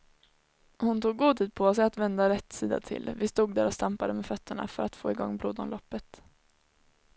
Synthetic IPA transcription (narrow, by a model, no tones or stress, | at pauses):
hʊnt̪ʰuːɡːuːd̪t̪ʰiːd̪̚pʰɔsɛjat̪vɛnd̪aɾɛt̪ːsiːd̪a̰t̪ʰɪ̰lvɪst̪uːɡ̚d̪æːɾɔst̪ampad̪əmɛfœt̪ːəɳa̰fœɾat̪foːɪɡɔŋːbɾuːd̪ɔnlɔpːət̪